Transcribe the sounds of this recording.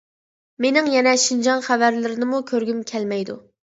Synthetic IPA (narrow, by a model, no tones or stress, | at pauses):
menɪŋjɛnɛʃind͡ʒɑnχævæɾlɪɾɪnɪmukʲʰøɾɡʲymkʲʰɛlmɛjd̪ṵ